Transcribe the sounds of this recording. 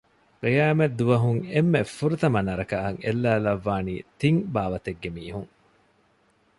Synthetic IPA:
qijaːmɐd̪ːuʋɐɦuŋemːefːuɾut̪ɐmɐnɐɾɐkɐɐŋḛlːæːlɐʋːaːniːt̪iŋbaːʋɐt̪eɡːemiːɦuŋ

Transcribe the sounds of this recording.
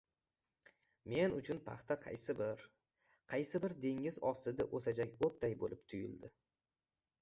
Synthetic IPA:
me̞nʊt͡ʃʰʊnpʰɑ̰χt̪aqʰɑ̰jsɪbɪɾ | qʰɑjsɪbɪɾd̪e̞ŋɪzɒsɪd̪aʔosad͡ʒakʲop̚t̪ajbo̰lʔɪpt̪ʰʊjʊ̰ld̪ɪ

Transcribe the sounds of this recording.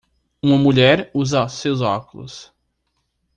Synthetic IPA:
ũmɐmuʎɛɾuzɐsewzɔkulʊ̰s

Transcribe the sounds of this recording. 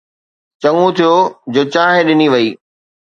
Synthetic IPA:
t͡ɕɐŋũt̪ʰijod͡ʑoːt͡ɕaːɦẽɗɪniʋɐiː

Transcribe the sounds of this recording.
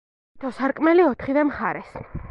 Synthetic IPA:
t̪ʰɔsaɾkʼmɛliɔt̪ʰχivɛmχaɾɛs

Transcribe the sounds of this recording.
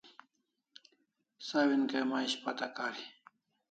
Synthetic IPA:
saːwinkejmaiɕpat̪akaːɾi

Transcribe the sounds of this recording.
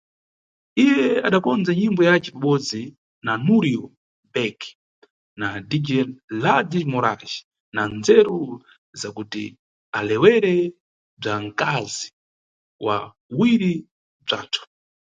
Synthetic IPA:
ijɛaɗakɔnd͡zaɲimbɔjat͡ʃɛpaɓɔd͡zi | nanuɾiɔ | bɛk | nadid͡ʒɛnladimɔɾa̰ʒi̥ | nanzɛɾɔ | zakutḭ | alɛwɛɾɛ | b͡ʐaŋkazi | wa̰ | wiɾi | b͡ʐa̰ːtʰu̥

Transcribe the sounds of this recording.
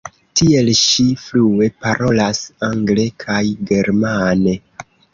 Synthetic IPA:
tʰie̞lʃiflue̞paɾʔo̞lasaŋɡle̞kʰajɡe̞ɾmane̞

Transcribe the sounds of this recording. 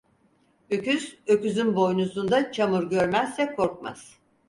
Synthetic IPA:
øcyzøcyzynbo̞jnusund̪at͡ʃʰamuɾɟøɾmæzːɛkʰo̞ɾk̚ma̰z̥

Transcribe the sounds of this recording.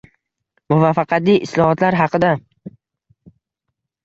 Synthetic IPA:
mʊvafɑqɑt̪ijʔɪslˠɒhɒt̪laɾɦɑqʰɨd̪a

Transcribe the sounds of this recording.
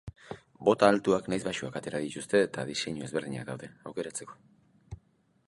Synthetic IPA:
bo̞t̪aːlt̪uaknajzβaʃuakat̪e̞ɾaðit̪ust̪e̞ːt̪aðise̞ɲue̞zβeɾðiɲa̰kd̪awðe̞awke̞ɾat͡se̞ko̞̥

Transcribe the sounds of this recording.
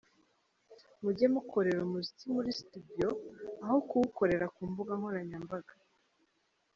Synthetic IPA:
muɟemuko̞ɾe̞ɾumuzit͡simuɾistudijo̞aho̞kuwuko̞ɾe̞ɾakuːmbuɡaŋhoɾaɲambaɡa

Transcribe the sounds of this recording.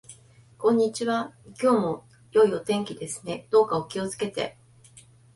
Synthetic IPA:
kõ̞ɲ̟ːit͡ɕiβakʲo̞ːmo̞ | jo̞io̞t̪ẽ̞ŋkʲid̪e̞sɨne̞d̪̥o̞ːkao̞kʲio̞t͡sɨ̥ke̞t̪e̞̰

